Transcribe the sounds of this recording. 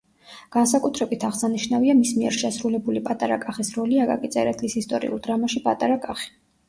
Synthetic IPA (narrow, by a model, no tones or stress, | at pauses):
ɡ̥ans̬akʼut̪ʰɾɛbit̪ʰaʁsaniʃnaviamismiɛ̰ɾʃɛsɾulɛbulipʼat̪ʼaɾakʼaχisɾɔliakʼa̰kʼit̪sʼɛɾɛt̪ʰlisist̪ʼɔɾḭʔṵld̪ɾamaʃipʼat̪ʼaɾakʼaχi̥